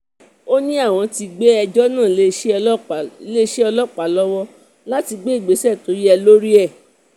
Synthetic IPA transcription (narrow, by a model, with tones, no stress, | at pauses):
o˦nĩ˦a˦˨w̃ɔ̃˨˧ti˧ɡ͡be˦ɛ˧d͡ʒɔ˦nãː˦˨le˦ʃe˦le˦ʃe˦ɔ˧lɔ˦k͡pa˨lɔ˦wɔ˦ | la˦ti˧ɡ͡be˦i˦˨ɡ͡be˨˦sɛ˦˨to˨˦ɾi˦ɛ˧lo˦ɾi˦ɛ˦˨